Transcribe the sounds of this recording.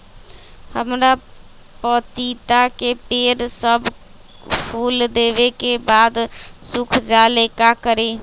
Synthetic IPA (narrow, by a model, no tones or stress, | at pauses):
həmɾa | pət̪it̪akepeɾsəb | pʰuld̪ebekebaːd̪sukʰd͡ʒalekakəɾe